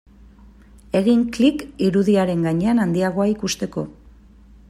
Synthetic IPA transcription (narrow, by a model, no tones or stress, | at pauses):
e̞ɣiŋklikiɾuðiaɾe̞ŋɡaɲe̞anand̪iaɣ̞o̞aikust̪e̞ko̞